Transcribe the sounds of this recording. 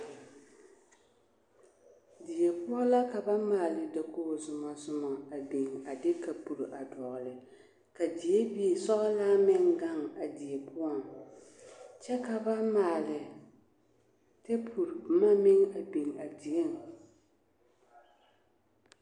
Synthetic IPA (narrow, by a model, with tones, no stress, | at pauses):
di˨e˨pʊ˦ɔ˦la˦ka˨ba˦maː˨lɪ˨da˨kʰoː˦˨zʊ˨ma˨sʊ˦mɔ˨a˨be˨ŋa˨dɪ˦ka˨pu˨ɾʔa˨dɔ˨ɣʊ˨lɪ˨ | ka˨di˨e˦bi˦e˨sɔ˦ʔɔ˦laː˦mɪ˦ŋɡa˦ŋa˨di˨ɛ˨pʰʊ˦ɔ˦˨ŋ | t͡ʃɛ˦ka˨ba˦maː˨lɪ˨ | te˦pʰu˨ɾma˦mɪ˦ŋa˨be˨ŋa˨di˨e˦˨ŋ˨